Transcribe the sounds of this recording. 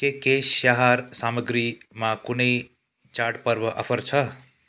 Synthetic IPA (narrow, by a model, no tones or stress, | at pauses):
kekesaɦaɾsaːməɡɾimãkʊnəi | t͡ʃaːɾɖpəɾʋəʔɐ̰pʰəɾt͡ʃʰɐ